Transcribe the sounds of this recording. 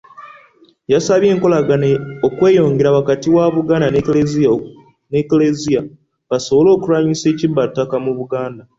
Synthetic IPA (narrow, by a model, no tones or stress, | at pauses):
jasaβje̞ːŋko̞laɡanokwe̞ːjo̞ːŋɡe̞ɾawakatiwaβuɡaːndanelezia | neklezija | βaso̞βo̞lo̞ːkuɾaːɲise̞ːcibːatːakamuβuɡaːnda